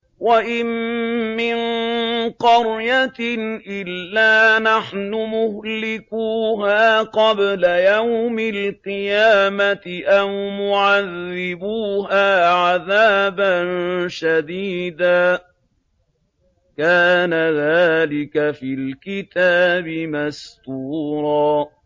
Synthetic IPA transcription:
waʔɪmː | ɪn | qɑɾjat̪ʔɪlːaːnaħnʊmʊhlɪkuːɦaːqɑblajawmɪlqɨjaːmat̪ɪʔammʊʕaðːɪbuːɦaːʕaðaːbanʃad̪iːd̪aː | kaːnaðaːlɪkafiːlkɪt̪aːbɪmast̪uːɾˤɑː

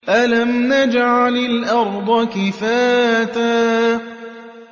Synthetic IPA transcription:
ʔalamnad͡ʒʕalɪlʔɑɾˤd̪ˤɑkɪfaːt̪aː

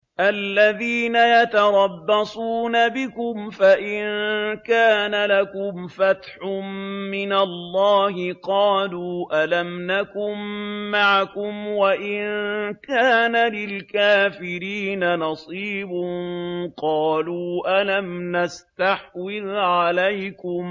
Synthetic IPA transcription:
ʔalːaðiːnajat̪ɑɾˤɑbːɑsˤuːnabɪkʊmfaʔɪnkaːnalakʊmfat̪ħʊmmɪnalːɑːhɪqɑːluːʔalamnakʊmːaʕakʊmwaʔɪnkaːnalɪlkaːfɪɾiːnanɑsˤiːbʊnqɑːluːʔalamnast̪aħwɪðʕalajkʊm

